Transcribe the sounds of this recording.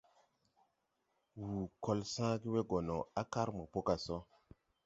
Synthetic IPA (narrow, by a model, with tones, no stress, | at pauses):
wuː˨ko˦lsã˦ɡi˦we˦ɡo˨no˨a˦ka˦ɾmə˨po˦ka˨so˦